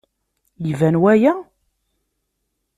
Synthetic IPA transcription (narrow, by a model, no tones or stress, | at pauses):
jivænwæjæ